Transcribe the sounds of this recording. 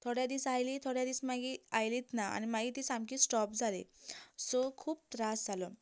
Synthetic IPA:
t̪ʰoɽjad̪iːsajlit̪ʰoɽjad̪iːsmaɡiajliːt̪naa̰ñimaɡiːt̪iːsamkiːsʈɔp̚d͡zʱalesɔkʰuːp̚t̪ɾasd͡zʱalɔ

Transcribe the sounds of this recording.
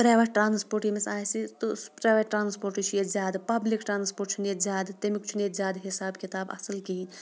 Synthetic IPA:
pɾaːjʋeʈːɾaːnspoːɾʈimesaːsit̪ospɾaːjʋeʈʈːɾaːnspoːɾʈit͡ʃʰujezʲaːd̪pɐblikʈɾaːnspoːɾʈ̚t͡ʃʰunet̪zʲaːd̪t̪emikt͡ʃʰunet̪zʲjaːd̪ɦisaːbkit̪aːbɐ̰səlkiɦinʲ

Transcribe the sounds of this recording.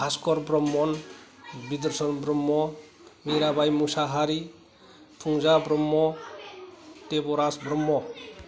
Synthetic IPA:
askɔɾbɾɔmːɔn | bid̪ɔɾsɔnbɾɔmːɔ | miɾabajmusaɦaɾi | pʰuŋzabɾɔmːɔ | tebɔɾasbɾɔmːɔ

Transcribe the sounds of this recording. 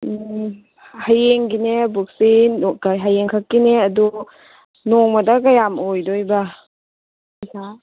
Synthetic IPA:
hajeŋɡinebuk̚sinɔkaɦajeŋkʰakːineadu | nɔŋmadakajamojdɔjba | ikʰa

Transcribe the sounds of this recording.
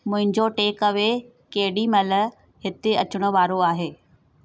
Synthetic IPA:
mʊ̃ɦɪ̃ɲd͡ʑoʈeːkɐʋe | kɐɦɪɗimɐlə | ɦɪt̪eɐt͡ɕʊɽ̃ə̆ʋaːɾoaːɦeː

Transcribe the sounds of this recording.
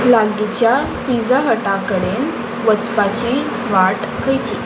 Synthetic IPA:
laɡit͡ɕja | pid͡zaɦəʈakəɽen | ʋət͡spat͡ɕiː | ʋaʈ | kʰəjt͡ɕi

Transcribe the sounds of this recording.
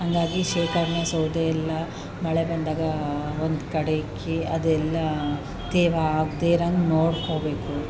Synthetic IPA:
ɦɐŋɡ̪aːɡiʃiʋkɐɾɳɐsoːd̪eɛlːɐ | mɐɭebɐnd̪aːɡɐond̪kɐɽekʰːiɐd̪ɛlːɐ | t̪ɛːʋaaːɡd̪eɾannoːɽkoːbeːku

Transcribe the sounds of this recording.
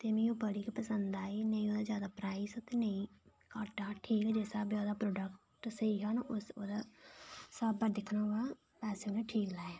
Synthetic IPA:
t̪eːmĩːoːbəɽiːkepəsənd̪aːeːnəĩːoːd̪aːzjaːd̪aːpɾaːisot̪eːnəĩː | kaːʈaːʈʰiːkɛːd͡ʒesaːbioːd̪aːpɾoːɖək | ʈsəiːɦaːnʊsoːd̪a | səbəɾd̪ɪkʰːnãːɡaː | pɛːseoːnẽːʈʰiːklaːeː

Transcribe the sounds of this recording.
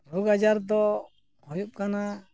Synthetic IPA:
ɾɔɡad͡ʒaɾd̪ɔ | hɔjup̚kana

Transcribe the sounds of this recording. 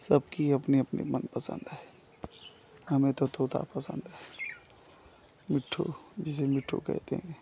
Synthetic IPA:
səb̚kiɐpniɐpnḛmənpəsə̰̃nd̪ɦɛː | hɐmẽt̪ot̪ʰoːt̪a̰pəsə̰̃nd̪ɦɛː | mɪʈʰːo̰ | d͡ʒɪs̬emɪʈʰːo̰kɛ̰ɦt̪ḛɦɛ̃ː

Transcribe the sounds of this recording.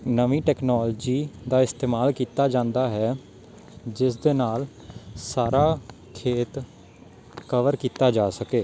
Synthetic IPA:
nəʋĩːʈɛːknaːld͡ʒiːd̪aːɪst̪eːmaːlkiːt̪aːd͡ʒãːnd̪aːɦɛː | d͡ʒɪsd̪eːnaːl | saːɾaː | kʰeːt̪ | kəʋəɾkiːt̪aːd͡ʒaːsəkeː

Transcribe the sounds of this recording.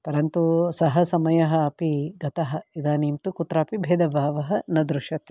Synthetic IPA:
pɐɾɐnt̪usɐɦɐsɐmɐjɐɦɐɐpiɡɐt̪ɐɦɐ̆id̪aːniːmt̪ukut̪ːɾaːpibʱeːd̪ɐbʱaːʋɐɦɐnɐd̪ɾuʃjɐt̪

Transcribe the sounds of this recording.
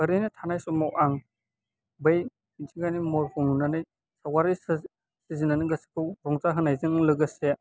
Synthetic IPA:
əɾenitʰanajsumawʔaŋ | bej | intʰiɡanimɔɾkʰuŋunanɯj | sawaɾi | sizinanɯɡɐsi̥kʰɯwɾɔŋzaɦɯnajzɯŋlɯɡɯse

